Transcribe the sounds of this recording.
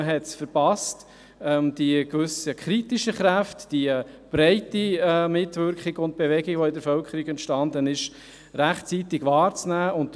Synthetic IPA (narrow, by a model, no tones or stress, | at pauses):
əɦɛtsfəɾpɑst | ɛmd̥ikʋʏsəkχɾitiʃəχɾæftd̥i | b̥ɾɛɪtimɪtvʏɾkχiɡʊnt̚b̥evɛɡiɡ̥ʋoɪdəɾfœlkəɾiɡɛntʃtɑndənɪʃ | ɾæχtt͡sitɪɡʋɑːɾt͡snæːʔʊnt